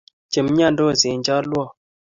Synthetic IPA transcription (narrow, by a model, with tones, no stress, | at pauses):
t͡ʃe˨mɲa˦˨n̩˦do˦˨ze˨n˦d͡ʒa˦lwɔ˦˨